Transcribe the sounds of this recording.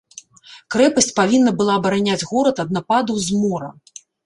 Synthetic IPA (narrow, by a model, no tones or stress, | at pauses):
kɾɛpɐsʲt͡sʲpavʲinːɐbɨlˠaːbɐɾanʲad͡zʲɣɔɾɐt̪ɐd̪̚napad̪ɐwzmɔɾɐ̰